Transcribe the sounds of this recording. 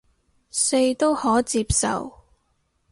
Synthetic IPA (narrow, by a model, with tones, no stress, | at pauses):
se˧jt̪o˥whɔː˨˥t͡siː˧p̚sɐ̰˨w